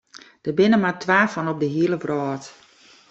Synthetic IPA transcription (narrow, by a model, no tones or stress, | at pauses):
d̥əbɪnəmatʰʋaːfɔnɔp̚dəɦiəlˠəvrɔːt